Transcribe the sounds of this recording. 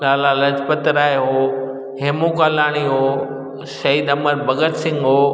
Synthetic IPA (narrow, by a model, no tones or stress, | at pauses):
laːlalɐd͡ʑpət̪ɾaːeɦoː | ɦeːmũkalaːɽ̃iɦoː | sɐiːd̪ɐməɾbʱɐɡət̪sɪ̃ŋɡɦoː